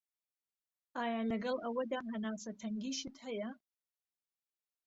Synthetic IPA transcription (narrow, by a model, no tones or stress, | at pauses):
ʔaːjaːlɐɡɐlˠʔɐwɐd̪aːɦɐnaːsɐt̪ʰɐŋɡiːʃɨt̪hɐjɐ